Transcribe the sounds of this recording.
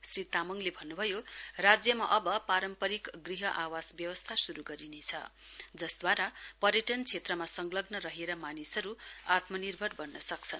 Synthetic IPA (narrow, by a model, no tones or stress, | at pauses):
srit̪amʌŋlebʱʌnːubʱʌjorad͡zjʌmaʔʌbʌpaɾʌmpʌɾikɡriɦʌʔawasbjʌwʌst̪ʰasuɾuɡʌɾinet͡sʰʌ̰ | d͡zʌsd̪waɾapʌɾjʌʈʌnt͡sʰet̪rʌmasʌŋɡlʌbnʌɾʌɦeɾʌmanisʌɾuat̪mʌnirbʱʌrbʌrnʌsʌkt͡sʰʌn